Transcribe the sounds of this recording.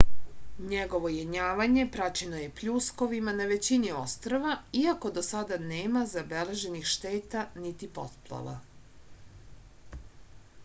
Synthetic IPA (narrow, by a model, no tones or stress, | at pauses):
ɲeɡo̞ʋo̞jeɲaːʋaɲe̞pɾat͡ɕe̞noje̞pʎuːsko̞ʋimanaʋe̞t͡ɕiniost̪ɾoʋaiako̞d̪o̞sad̪aneːmazabe̞le̞ʒe̞nixʃt̪eːt̪anit̪ipo̰t̪plˠa̰ʋa̰